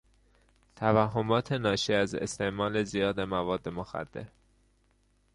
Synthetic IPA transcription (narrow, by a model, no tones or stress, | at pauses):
t̪ʰævæɦːomɒːt̪ʰe̞nɒːʃiːæzḛst̪e̞ʔmɒːle̞zijɒːd̪e̞mævɒːd̪ːemoxæ̰d̪̥ːe̞̰ɾ